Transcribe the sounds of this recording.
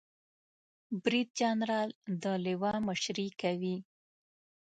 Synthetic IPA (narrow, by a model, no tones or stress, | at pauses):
bɾid̪̚d͡ʒɑnɾɑld̪əlɪwɑməʃɾikawi